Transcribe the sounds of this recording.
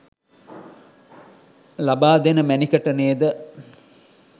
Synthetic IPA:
labaːd̪enəmænikəʈəneːd̪ə

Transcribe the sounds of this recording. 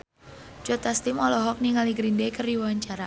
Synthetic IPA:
d͡ʒɔt̪ast̪imɔlɔɦɔk̚niŋaliɡɾindekərdiwwaɲt͡ʃaɾa

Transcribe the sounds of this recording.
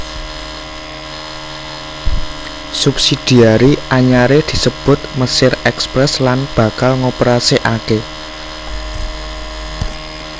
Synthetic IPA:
supsid̪̥i̤aɾiaɲaɾed̪̥i̤səb̥ʊ̤t̪̚məsɪrɛkspɾɛslanb̥ä̤kalŋopəɾaseʔake

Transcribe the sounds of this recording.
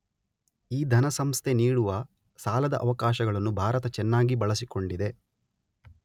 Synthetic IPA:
iːd̪ʱɐnɐsɐmst̪ʰeniːɽuʋɐ | saːlɐd̪ɐʔɐʋɐkaːʃɐɡɐɭɐnːubʱaːɾɐt̪ɐt͡ʃɛnːaːɡibɐɭɐsiko̞ɳɖid̪e̞

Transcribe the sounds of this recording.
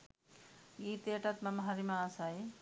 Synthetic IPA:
ɡit̪eʈat̪mamaɦaɾimaːsaj

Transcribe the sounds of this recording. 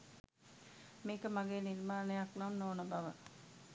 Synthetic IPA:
meːkəmaɡeːniɾmaːnəjaknamnoːnəbaʋə

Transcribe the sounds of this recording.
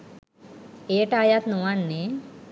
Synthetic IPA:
eːʈajat̪nuʋanːe

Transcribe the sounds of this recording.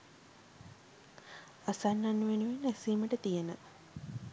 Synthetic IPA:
asanːanːuʋenuʋenːæsiːməʈət̪ijenə

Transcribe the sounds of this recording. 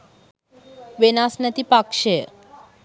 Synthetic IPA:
ʋenasnət̪ipakʃe

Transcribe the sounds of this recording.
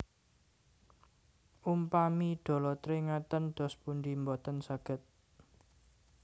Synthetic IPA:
ʔumpamiɖ̥ɔ̤lɔt̪ɾeŋat̪ənɖ̪̥ɔ̤spund̪imbɔt̪ənsaɡ̥ə̤t̪̚

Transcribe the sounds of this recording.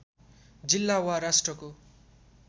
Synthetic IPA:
d͡zilːawaɾasʈrʌko

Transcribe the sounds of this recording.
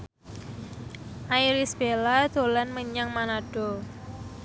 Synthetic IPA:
ʔaiɾisb̥elad̪̥o̤lanməɲaŋmanaɖ̥ɔ

